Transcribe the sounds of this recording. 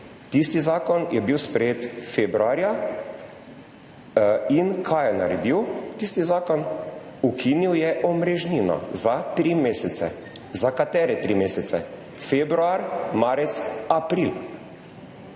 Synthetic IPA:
t̪ist̪izaːkɔnjɛbiwspɾɛjeːt̪febɾuaːɾja | inkʰajɛna̰ɾɛd̪iwt̪ist̪izaːkɔnukʰiniwjɛʔɔmɾɛʒninɔ̰zat̪ɾimeːsɛt̪sɛ̰ | zakat̪ɛːɾɛt̪ɾimeːsɛt̪sɛ̰ | febɾuaɾmaːɾɛt̪sapɾil

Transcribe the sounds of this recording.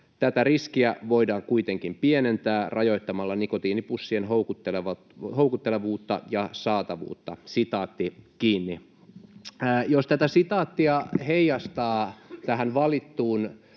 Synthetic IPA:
t̪æt̪æriskiæʋo̞idɑːŋkuit̪eŋkimpienent̪æːrʔɑjo̞jt̪ːɑmɑlːɑnikot̪iːnipusːienɦoukut̪ːeleɑ | houkut̪ːeleʋuːt̪ːɑ̰jɑsɑːt̪ɑʋṵːt̪ːɑsit̪ɑːt̪ːikiːnːi | jost̪æt̪æsit̪ɑːt̪ːiɑheijɑst̪ɑːt̪æɦænʋɑlit̪ːuːn

